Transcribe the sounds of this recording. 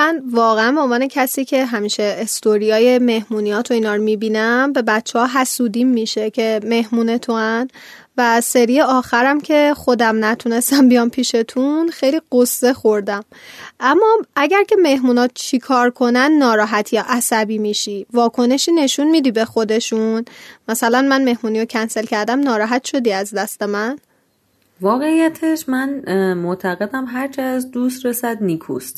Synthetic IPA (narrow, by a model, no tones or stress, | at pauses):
mænvɒːɣeænboːmvɒːnecʰæsiːcʰe̞ɦæmiːʃe̞ːst̪oɾijɒːje̞me̞hmuːnijɒːt̪ʰoiːnɒːɾmibiːnæmbe̞bæt̪t͡ʃʰːehɒːɦæsuːd̪imːiʃe̞cʰe̞me̞ɦmuːne̞t̪ʰoæn | væse̞ɾiːjeɒːxæɾæmcʰe̞xo̞d̪æmnæt̪ʰune̞st̪æmbijɒmpʰiːʃe̞t̪ʰunxe̞jliːɢosːe̞xoɾd̪æm | ʔæmːɒːæɟæɾcʰe̞me̞hmuːnɒːt͡ʃʰikʰɒːɾkʰo̞nænːɒːɾɒːɦæt̪ʰijɒːʔæsæbiːmiːʃivɒːkʰo̞ne̞ʃiːne̞ʃunmiːd̪iːbe̞xo̞d̪e̞ʃunmæsælænmænme̞hmuːniːɾocʰænse̞lcʰæɾd̪æmnɒːɾɒːɦæt̪ʰʃo̞d̪iːæzd̪æst̪e̞mæn | vɒːɣe̞ijæt̪ʰeʃmænmoʔt̪ʰæɣe̞d̪æmɦæɾt͡ʃʰiæzd̪uːst̪ɾesæd̪nikʰṵst̪